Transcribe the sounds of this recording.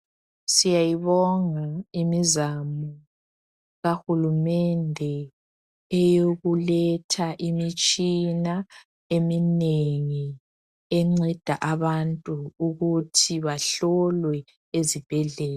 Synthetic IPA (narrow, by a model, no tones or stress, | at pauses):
sijajiβɔŋaimizamɔ | ɣaxulumɛndʱɛ | ɛjoɣulɛtʰaʔimit͡ʃʼina | emineŋi | ɛŋ͡ǀɛd̥ʱaʔaβantʼuːɣutʰiβaɬɔlwɛ | ezib̥ʱɛɮɛːla